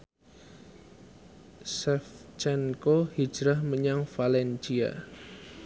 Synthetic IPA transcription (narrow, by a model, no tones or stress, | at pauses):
sɛft͡ʃɛnkohi̥d͡ʒɾahməɲaŋfalɛnt͡ʃia̰